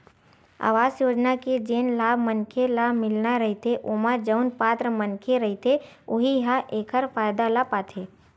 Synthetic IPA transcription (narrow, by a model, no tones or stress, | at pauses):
a̰ːʋaːzjoːd͡ʒnaked͡ʒeːnlaːbʱmənkʰelamɪlnaɾəɦit̪ʰeʔoːmad͡ʒəʊnpaːt̪ɾəmənkʰeɾəɦit̪ʰe | ʊɦiɦaʔeːkʰəɾfʰaːjd̪alapaːt̪ʰeː